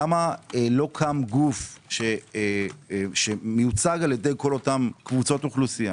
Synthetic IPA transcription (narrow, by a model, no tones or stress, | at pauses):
amaelo̞kʰamɡufʃe | ʃemejut͡saɡaljed̪ejko̞lo̞tamkvut͡so̞tuχlusija